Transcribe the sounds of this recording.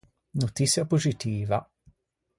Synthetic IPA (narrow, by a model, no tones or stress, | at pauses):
not̪isjapozit̪iːva